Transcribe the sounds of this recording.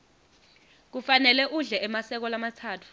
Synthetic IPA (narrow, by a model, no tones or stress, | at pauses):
k̬ufanɛlɛʔuɮɛʔɛmasɛk̬ɔlamatʰaːtʰu̥